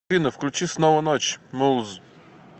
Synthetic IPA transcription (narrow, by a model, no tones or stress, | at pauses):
inɘfklʲut͡ɕisnɔwɔnɔt͡ɕmulz